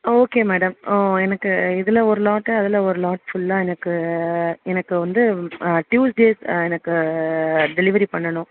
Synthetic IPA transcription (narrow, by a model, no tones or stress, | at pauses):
oːkeːmæːɽɐmoːɛnɐkːɯɪðɐlɐɔɾɯlaːʈːɐɐðɐlɐɔɾɯlaːʈfʊlːãːɛnɐkːɯ | ɛnɐkːɯʋɐnd̪ɯʈjuːsɖeːsɛnɐkːɯ | ɖɛlɪʋɐɾipɐɳːɐɳʊ̃